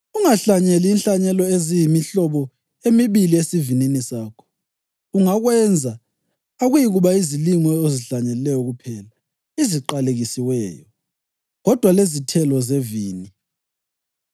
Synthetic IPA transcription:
uŋaɬaɲɛliːnɬaɲɛlɔezijimiɬɔβɔ | emiβiliesivininisaːkʰɔ̥ | uŋaɣwɛnd͡zʱa | aɣujiɣuβaiziliŋɔeziɬaɲɛlilɛjɔɣupʰɛla | iziǃaleɣisiwɛːjɔ̰ | ɣɔd̥ʱwalezitʰɛlɔzeviːni

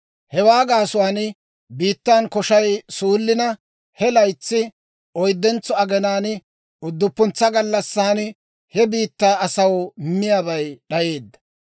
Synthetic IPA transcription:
hɛwaːɡaːsʊwaːn | biːt̪ːaːnkɔʃɐjsuːlːɪnɐ | hɛlɐjt͡sːɪ | ɔjd̪ːɛnt͡sːɔɐɡɛnaːn | ʊd̪ːʊpːʊnt͡sːɐɡɐlːɐsːaːn | hɛbiːt̪ːaːɐsɐwmːɪjaːbɐjɗɐje̞ːd̪ːɐ̥

